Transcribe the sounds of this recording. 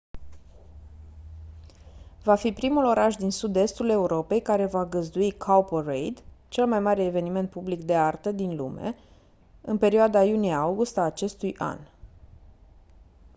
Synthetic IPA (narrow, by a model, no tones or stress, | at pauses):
vafipɾimulo̞ɾaʃd̪insud̪e̞st̪ule̞uɾo̞pe̞jkaɾe̞vaɡəzd̪uikʰawporejd̪t͡ʃe̞lmajmaɾe̞ːve̞nime̞nt̪̚publikd̪e̞art̪əd̪inlṵme̞̰ | ɨnpe̞ɾioad̪ajuniaawɡust̪aːt͡ʃe̞st̪ujʔa̰n